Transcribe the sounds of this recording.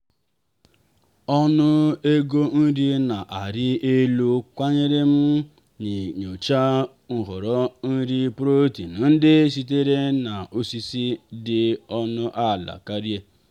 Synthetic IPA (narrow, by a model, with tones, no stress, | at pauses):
ɔ˦nʊ˦e˦ɡo˦n̩˦ɾi˦na˨ʔa˨ɾɪ˦e˦lu˦kʷa˦ɲe˦ɾe˦m̩˦ | ni˨ɲo˨t͡ʃa˦ | ŋ̩˨ɦɔ˨ɾɔ˦n̩˦ɾi˦pɾo˦ti˨nʊ˨n̩˦dɪ˦si˦t̬e˦ɾe˦na˨o˦si˦si˦dɪ˨ɔ˦nʊ˦ʔa˦˨la̰˨ka˦ɾi˦e˦